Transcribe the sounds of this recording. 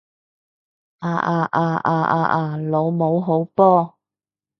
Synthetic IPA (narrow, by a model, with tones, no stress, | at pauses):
ʔaː˧ʔaː˧ʔaː˧ʔaː˧ʔa̰ː˧ʔaː˧lo˨˧wmo˨˧wɦo˨˥wpɔː˥